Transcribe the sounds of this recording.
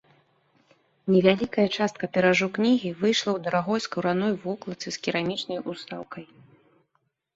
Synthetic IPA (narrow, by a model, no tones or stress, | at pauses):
nʲɛvʲalʲikɐjɐt͡ʂast̪̚kɐpʲɛɾaʐuknʲiɣʲivɨjʂlˠɐwd̪ɐɾaɣɔjskɐwɾanɔjvɔklˠɐt̪sɨskʲiɾamʲit͡ʂnɐjust̪awkɐj